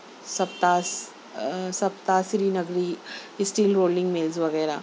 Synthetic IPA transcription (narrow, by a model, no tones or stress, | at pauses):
sɐbt̪as | sɐbt̪asɾinɐɡɾiɪsʈiːlɾoːlɪ̃ŋɡmeːlzʋɐɣɛːɾaː